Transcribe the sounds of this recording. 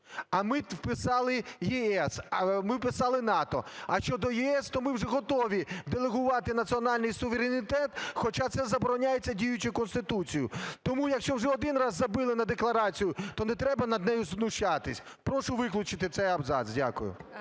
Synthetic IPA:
ɐmɪwpɪsɑlˠɪjiɛsmɪwpɪsɑlˠɪnɑt̪ɔ̰ɐʃt͡ʃɔd̪ɔjiɛst̪ɔmɪwʐɛɦɔt̪ɔʋʲid̪elˠeɦʊʋɑt̪ɪnɐt͡sʲiɔnɑlʲnɪjsʊʋeɾʲenʲit̪ɛt̪xɔt͡ʃat̪sɛzɐbɔɾɔnʲajet͡sʲːɐdʲijʊt͡ʃʊkɔnst̪ɪt̪ut͡sʲijʊt̪ɔmujɐkʃt͡ʃɔwʒɛɔd̪ɪnrɑzːɐbɪlˠɪnɐd̪eklˠɐɾɑt͡sʲijʊt̪ɔnɛt̪ɾɛbɐnɐd̪nɛjʊznʊʃt͡ʃat̪ɪsʲ | pɾɔʃʊʋɪklʲʊt͡ʃɪt̪ɪt̪sɛjɐbzɑ̰sdʲa̰kʊjʊ̰

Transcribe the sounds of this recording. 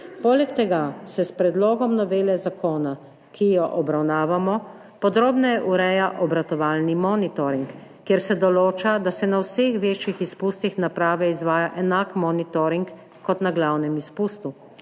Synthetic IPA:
poːlɛkt̪ɛɡasɛspɾɛd̪lɔːɡɔmnɔʋeːlɛzakoːna | kʰijɔʔɔbɾawnaːʋamɔ | pɔd̪ɾoːbnɔjɛʔuɾɛːjaʔɔbɾat̪ɔʋaːlnimɔːnit̪ɔɾiŋkː | eːɾsɛd̪ɔloːt͡ʃad̪asɛnawsexʋeːt͡ʃjixispuːst̪ixnapɾaːʋɛizʋaːjaʔɛnakmɔːnit̪ɔɾiŋkː | ɔt̪naɡlawnɛmispuːst̪u

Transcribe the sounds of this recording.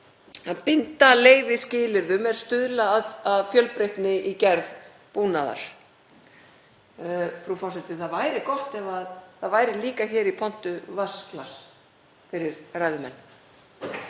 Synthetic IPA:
aðpɪnt̪aleːjvɪscɪːlɪɾðʏmɛɾ̥st̪ʏðlaːðaðfjœlpɾejht̪nɪʔicɛɾð | puːnaða̰ɾ̥ | fɾufɔr̥sɛt̪ɪθaðvajɾɪkɔht̪ɛvaðθaðvaːjɾɪliːkaçɛːɾipʰɔn̥t̪ʏvasklas | fɪɾɪɾrajðʏmɛ̰nː

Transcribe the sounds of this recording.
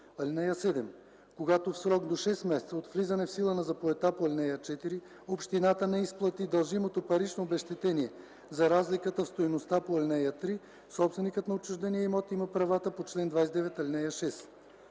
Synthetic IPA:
ɐlʲnɛjəsɛd̪ɛm | koɡat̪ofsɾɔkd̪oʃɛsmɛsɛ̥t̪səot̪flizɐnɛfsilˠənɐzɐpoɛt̪apoɐlʲnɛjət͡ʃɛt̪iɾi | opʃt̪inat̪ənɛisplˠɐt̪id̪ɐlˠʒimot̪opɐɾit͡ʃnoːbɛʃt̪ɛt̪ɛniɛ | zɐɾazlikət̪əfst̪ojnost̪apoɐlʲnɛjət̪ɾi | sɔpsvɛnikət̪nɐot͡ʃuʒd̪ɛnijɛimɔt̪imɐpɾɐvat̪əpot͡ʃlɛnd̪vajsʲd̪ɛvɛt̪ɐlʲnɛjəʃɛs

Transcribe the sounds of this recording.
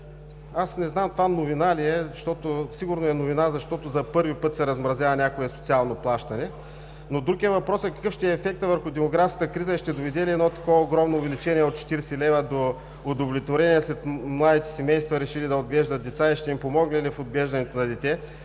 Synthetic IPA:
asnɛznamt̪ovanovinaliɛzɐʃt̪ɔt̪ʊsiɡʊɾnoɛnovinazɐʃt̪ɔt̪ʊzɐpɤɾvipɤt̪sɛɾɐzmɾɐzʲjavɐnʲakoɛso̥t̪sialˠnoplˠaʃt̪ɐnɛ | nod̪ɾuɡijəvɐpɾɔsɐkɐ̥kɤfʃt̪ɛɛːfɛk̚t̪əvəɾxʊd̪ɛmoɡɾafskə̥t̪əkɾizəɛʃt̪ɛd̪ovɛd̪ɛliɛd̪nɔt̪ɐ̥kovɐoɡɾɔmnoːvɛlʲit͡ʃɛniɛot̪̚t͡ʃɛ̥t̪iɾɛsɛlɛvɐd̪oː | d̪ovlʲit̪voɾɛniɛslɛt̪mlˠad̪it̪ɛ̥sɛmɛjst̪vɐɾɛʃilid̪ɐod̪̚ɡlɛʒd̪ət̪̚d̪ɛt̪saiʃt̪ɛimpomɔɡnilifod̪̚ɡlɛʒd̪ɐnɛt̪onɐd̪ɛt̪ʲɛ

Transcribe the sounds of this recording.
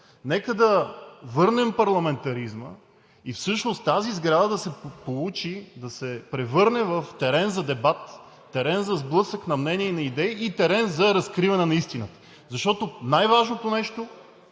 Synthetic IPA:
nɛkəd̪ɐvɤɾnɛmpɐɾlˠɐmɛnt̪ɐɾizmə̰ | ifsɤʃnost̪t̪azizɡɾad̪əd̪ɐsɛpolˠut͡ʃid̪ɐsɛpɾɛvɤɾnɛvəft̪ɛɾɛnzɐd̪ɛbat̪ː | ɛɾɛnzɐzblˠɤsəknɐmnɛniɛinɐid̪ɛiʔit̪ɛɾɛnzɐɾɐskɾivɐnɛnɐist̪inət̪ə̥ | zɐʃt̪ɔt̪onajvaʒnot̪onɛʃt̪o

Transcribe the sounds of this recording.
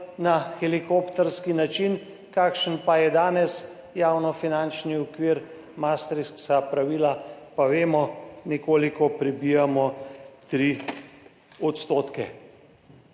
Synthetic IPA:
naxɛlikopt̪ɛɾskinat͡ʃin | kaːkʃənpajɛd̪aːnɛs | jaːwnɔfinant͡ʃniɔkʋiːɾ | mast̪ɾissapɾaʋiːlapaʋeːmɔnɛkoːlikɔpɾɛbiːjamɔt̪ɾi | ɔt̪st̪oːt̪kɛ

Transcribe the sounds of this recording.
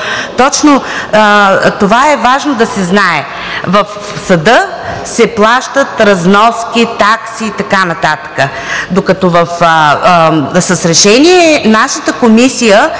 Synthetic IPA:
t̪ɔt͡ʃno | t̪ovaɛvaʒnod̪ɐsɛznaɛ | vɐf | sɐd̪ə | sɛplˠaʃt̪ət̪ɾɐznɔskʲit̪aksiːt̪ɐkanɐt̪at̪ə̥kə | d̪okɐt̪ɔvəf | səsɾɛʃɛniɛnaʃət̪əkomisijə

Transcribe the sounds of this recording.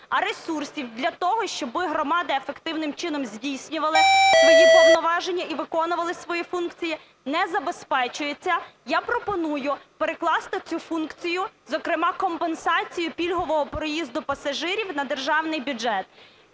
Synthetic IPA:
ɐɾe̞sursʲiwd̪lʲɐt̪ɔɦɔʃt͡ʃɔbɪɦɾɔmɑd̪ɐefekt̪ɪwnɪmt͡ʃɪnɔmzʲdʲijsʲnʲʊʋɐlˠɪjɐjʲipɔwnɔʋɑʒenʲːɐiʋɪkɔnʊʋɐlˠɪsʋɔjifunkt͡sʲiji | nɛzɐbe̞spɛt͡ʃʊjet͡sʲːɐjapɾɔpɔnujʊpeɾeklˠɑst̪ɪt͡sʲufunkt͡sʲijʊzɔkɾɪmɑkɔmpensɑt͡sʲijʊpʲilʲɦɔʋɔɦɔpɾɔjizd̪ʊpɐsɐʒɪɾʲiwnɐd̪erʒɑwnɪjbʲuʒɛt̪

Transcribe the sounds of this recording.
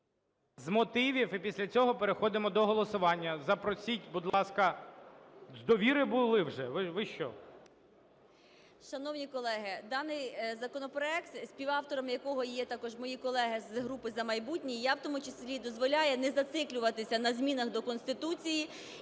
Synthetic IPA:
zmɔt̪ɪʋʲiwipʲisʲlʲɐt͡sʲɔɦɔpeɾexɔd̪ɪmɔd̪ɔɦɔlˠɔsʊʋɑnʲːɐzɐpɾɔsʲitʲbud̪lˠɑskɐ | zd̪ɔʋʲiɾɪbʊlˠɪwʒɛʋɪʋɪʃt͡ʃɔ̰ | ʃɐnɔwnʲikɔlˠɛɦɪd̪ɑnɪjzɐkɔnɔpɾɔɛkt̪sʲpʲiwɑwt̪ɔɾɐmjɐkɔɦɔjɛt̪ɑkɔʒmɔjikɔlˠɛɦɪzɦɾupɪzɐmɐjbutʲnʲijawt̪ɔmʊt͡ʃeslʲid̪ɔzʋɔlʲajɛnɛzɐt̪sɪklʲʊʋɐt̪ɪsʲɐnɐzʲmʲinɐxd̪ɔkɔnst̪ɪt̪ut͡sʲiji

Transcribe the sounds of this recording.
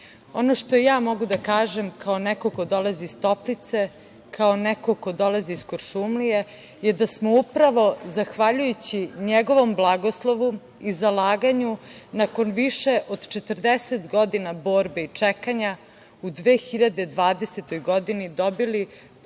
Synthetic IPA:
onoʃt̪ojaːmo̞ɡud̪akaːʒemkaonɛkoko̞d̪o̞laziːst̪o̞plit̪se̞ | kʰaonɛko̞ko̞d̪o̞laziːskoɾʃumlije | je̞d̪asmoupɾaʋo̞zaxʋaʎujut͡ɕiɲeɡo̞ʋo̞mblˠaɡo̞slˠo̞ʋu | izalaːɡaɲunako̞nʋiʃe̞ʔod̪t͡ʃet̪ərd̪eset̪ɡo̞d̪inabo̞ːɾbeit͡ʂekaɲa | ud̪ʋeːxiʎad̪ed̪ʋaːd̪e̞set̪o̞jɡod̪inid̪obili

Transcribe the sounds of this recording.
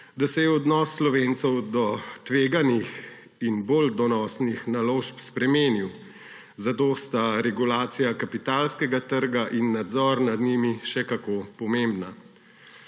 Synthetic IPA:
d̪asɛjɛɔd̪nɔːsːlɔʋent̪sɛwd̪ɔt̪ʋeːɡanix | inbold̪ɔnɔsnixnaloːʃpspɾɛmeːniw | zat̪oːst̪aɾɛɡulaːt̪sijakapit̪alskɛɡat̪əɾɡaʔinːad̪zɔːɾnad̪nimiʃɛkakoːpɔmembna

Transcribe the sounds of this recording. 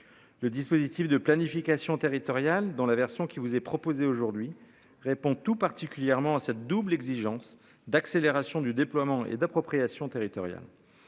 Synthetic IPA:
ləd̪ispozit̪ifd̪əplanifikasjɔ̃t̪eʁit̪ɔʁjald̪ɑ̃lavɛʁsjɔ̃kʲivuzɛpχɔpozeoʒuʁd̪ɥi | ʁepɔ̃t̪upaʁt̪ikʲyljɛʁmɑ̃asɛt̪̚d̪ublɛɡziʒɑ̃s | d̪akseleʁasjɔ̃d̪yd̪eplwamɑ̃ḛd̪apχɔpχijasjɔ̃t̪eʁit̪ɔʁja̰l

